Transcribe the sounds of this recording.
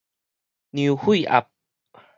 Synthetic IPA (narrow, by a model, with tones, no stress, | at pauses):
ni˧whu˥˩jʔa̰˨˧p̚